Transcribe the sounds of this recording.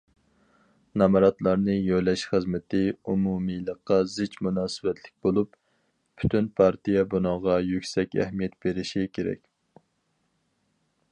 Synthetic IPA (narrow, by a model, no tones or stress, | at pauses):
nɑmɑɾɑt̪lˠɑɾnɨjojlɛʃχəzmɪt̪ʰɪumumijlˠəqːɑzɪt͡ʃmunɑːsɨwɛt̪ʰlɪk̚ʲbolˠup | pʰːy̥t̪ʰynpʰɑɾt̪ijɛbunɑʁɑjykʲsɛkʲɛ̰hmijɛt̪b̥eɾɪʃikʲʰeɾɛ̰kʲ